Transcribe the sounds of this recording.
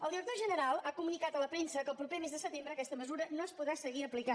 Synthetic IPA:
əlˠd̪iɾək̚t̪oʒənəɾalˠakumunikat̪ələpɾensəkəlˠpɾupemezðəsət̪embɾəːkɛst̪əməzuɾənoəspuðɾasəɣiəplikan

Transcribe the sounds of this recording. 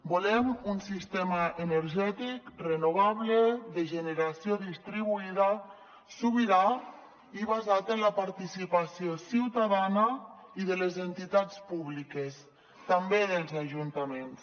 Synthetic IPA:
bulɛmunsist̪ɛmaenəɾʒɛt̪ikrenuβaβleðəʒəneɾasioðist̪ɾiβuiða | suβiɾa | iβazat̪ənlapaɾt̪isipasijosiwt̪aðanaiðəlezent̪it̪at͡spuβlikes | t̪ambeðəlˠzaʒunt̪amens

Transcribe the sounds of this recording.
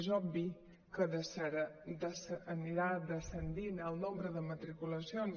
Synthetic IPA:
ʒɔbi | kəðəsɾd̪əsəniɾad̪əsənd̪inəlˠnombɾəðəmət̪ɾikuləsion

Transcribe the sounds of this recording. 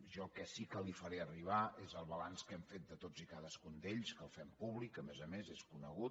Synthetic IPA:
ʒɔkɛsikəlifəɾeəriβ̞aezəlˠβəlanskɛmfet̪̚d̪ət̪od͡zikaðəskund̪eʎskəlˠfɛmpuβlikəmɛzəmezeskunəɣut̪

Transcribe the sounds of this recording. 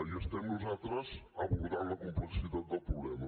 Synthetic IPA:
iəst̪ɛmnuzat̪ɾəsəβuɾðaɾləkumpləsit̪at̪̚d̪əlˠpɾuβlɛmə

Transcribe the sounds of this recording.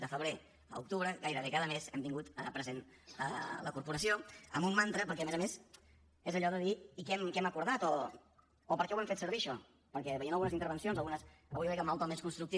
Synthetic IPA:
d̪əfəβɾe | ə̰uk̚t̪uβɾəɣajɾəβekaðəmezɛmt̪iŋɡut̪ə̰pɾəzen | ə̰ləkuɾpuɾəsioə̰mumːant̪ɾəpəɾkɛəmɛzəmez | ezəʎɔðəðiːkɛmkɛməkuɾð̞at̪ɔː | pəɾkɛwɛmfet̪səɾβiʃɔ | pəɾkɛβəjiənlˠɣunzint̪əɾβ̞ənsionzəlˠɣunəsəβujɾɛkəmalˠt̪ɔlmeskunst̪ɾukt̪i

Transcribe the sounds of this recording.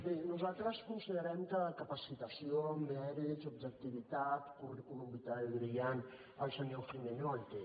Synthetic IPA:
benuzat̪ɾəskunsiðəɾɛmkəkapəsit̪əsiomɛɾit̪zub̚ʒək̚t̪iβ̞it̪at̪kurikulumbit̪aɣɾian | əlsanɛwfɾimeɲɔlt̪e

